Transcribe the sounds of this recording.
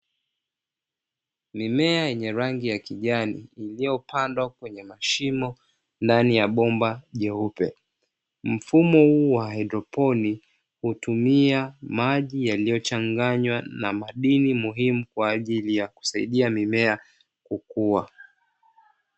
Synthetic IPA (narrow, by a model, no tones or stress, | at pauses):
mimɛajɛɲɛɾaŋɡijakiʄanḭːlijɔpʰandwakwɛɲɛmaʃimɔ | ndanijaɓɔmbaʄɛupɛ | m̩fumɔhuːwaajdɾɔpɔni | hutumiamaʄijalijɔt͡ʃaŋɡaɲwana̰maɗinimuɦimukwaːʄilijaku̥saiɗiamimɛa | kukuwa